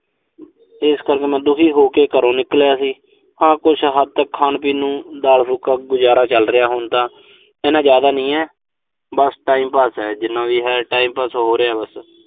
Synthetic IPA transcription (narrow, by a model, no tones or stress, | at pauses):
ɪskəɾkeːmɛ̃ːd̪ʊkʰiːɦoːkeːkəɾõːnɪklejaːsiː | hãːkʊt͡ʃʰɦəd̪̚t̪əkʰːaːnpiːnũːd̪aːlsʊkaːɡʊzaːɾaːt͡ʃəlɾɪjaːɦoːnt̪ãː | ɛːnãːzjaːd̪aːnəĩːɛː | bəsʈaːiːmpaːsɛːd͡ʒɪnːãːʋiːɦɛːʈaːiːmpaːsoɦoːɾeːaːbəs